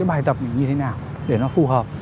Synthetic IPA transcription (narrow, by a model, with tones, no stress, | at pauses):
jɓaː˧˩jt̪ə˨˩p̚na˨˩ɲɨ˧t̪ʰe˨˦naː˨˩w | ɗe˧˩nɔ˨˦fu˨˩ɦəː˨˩p̚